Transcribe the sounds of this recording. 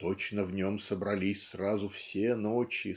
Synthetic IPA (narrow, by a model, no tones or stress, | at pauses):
t̪ot͡ɕnəvnʲo̞msəbɾɐlʲisʲsrazʊfsʲenot͡ɕɪ